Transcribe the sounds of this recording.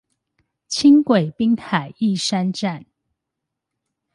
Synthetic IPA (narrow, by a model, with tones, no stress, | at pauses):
t͡ɕʰi˦ŋkwe˨˩ɪpi˦ŋt̪ʰa˨˩ɪi˥˨ʂa˦nʈ͡ʂa˥˨n